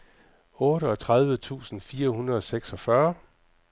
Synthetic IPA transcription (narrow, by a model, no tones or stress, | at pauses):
ɔ̽ːɾəɒt͡sʰʁað̞ˠʋət͡sʰṵːsn̩fiːɐhunʁɐð̞̩ˠɒ̽seɡ̥sɒ̽fɶɐ